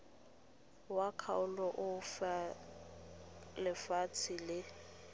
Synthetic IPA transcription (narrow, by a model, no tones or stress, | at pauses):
wakʰa̰ʊlɔʔʊfa | lɪfat͡sʰɪlɪ